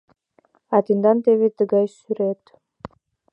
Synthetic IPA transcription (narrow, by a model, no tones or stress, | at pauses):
ɑt̪ind̪ɑnt̪eβet̪ɨɡɑjsyɾet̪